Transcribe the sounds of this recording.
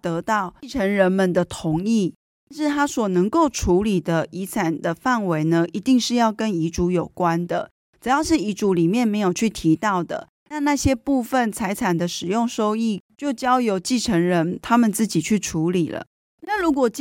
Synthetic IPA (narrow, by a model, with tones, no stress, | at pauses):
t̪ɤ˧˥t̪ɑ˥˩ʊ˥ʈ͡ʂʰə˧˥ŋɻə˧˦nmə˨nd̪ə˨t̪ʰʊ˧˦ŋi˥˩˥ | ʂɻ̩˥˩t̪ʰa˥swɔ˨˩nə˧˥ŋko˥˩ʊʈ͡ʂʰu˨˧˥li˨˩d̪ə˦i˧˥t͡sʰa˨˩nd̪ə˦fa˥˩nwe˧˥ɪnə˧ʔi˧˥t̪i˥˧ŋʂɻ̩˥˧jɑ˥˩ʊkə˦˥ni˧˥ʈ͡ʂu˧˥jo˨˩ʊkwa˦nd̪ə̰˨ | ʈ͡ʂɻ̩˨˩jɑ˥˧ʊʂɻ̩˥˩i˧˥ʈ͡ʂu˧˥li˨˩mjɛ˥˩nme˧˥ɪjo˨˩ʊt͡ɕʰy˥˩t̪ʰi˧˥t̪ɑ˥˩ʊd̪ə̰˩ | na˥˧na˥˩ɕjɛ˥pu˥˧fə˨˩nt͡sʰa˧˥ɪt͡sʰa˨˩nd̪ə˦ʂɻ̩˨˩jʊ˥˩ŋʂo˥ʊi˥˩˨t͡ɕjo˥˩ʊt͡ɕjɑ˥ʊjo˧˥ʊt͡ɕi˥˩ʈ͡ʂʰə˧˥ŋɻə˧˦nt̪ʰa˥mə˨nt͡sɹ̩˥˩t͡ɕi˨˩t͡ɕʰy˥˩ʈ͡ʂʰu˧˦˥li˨˩lə̰˦ | na˥˩ɻu˧˦˥kwɔ˨˩t͡ɕ